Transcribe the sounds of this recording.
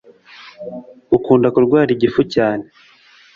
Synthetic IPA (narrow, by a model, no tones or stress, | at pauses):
ukuːndakuɾɡwaːɾiɟifucaːne